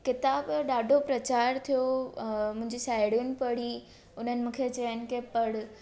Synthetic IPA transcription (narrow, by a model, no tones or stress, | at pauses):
kɪt̪aːbɗaːɖʱopɾɐt͡ɕaːɾt̪ʰijomʊ̃ɦɪ̃ɲd͡ʑisaːɪɽinɪ̆pɐɽ̤i | ʊn̤ənɪ̆mũːkʰet͡ɕɐənɪ̆kepɐɽ